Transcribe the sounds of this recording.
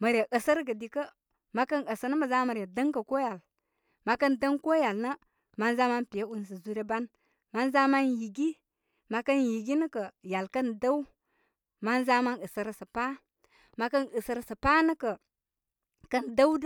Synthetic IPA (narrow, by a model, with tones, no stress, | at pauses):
mə˨ɾja˨ʔə˨sə˦ɾɡə˨di˨kə˦ | ma˨˦kə˦nə˨sə˨nə˦mə˨za˦ma˨ɾa˨də˦ŋkə˨ko˦ja˨l | ma˨kə˦ndə˦ŋko˦ja˨lnə˦ | ma˦nza˦ma˦npi˨jə˦u˦ns̬ə˨zu˦ɾe˦ba˦n | ma˦nza˦ma˦nji˨ɡi˦ | ma˨kə˦nji˨ɡi˦nə˦kə˨ja˨lkə˦nda˦wu˦ | ma˦nza˦ma˦nə˨sə˨ɾə˨sə˨pa˦ | ma˨kə˦nə˨sə˨ɾsə˨pa˦nə˦kə˨ | kə˦nda˦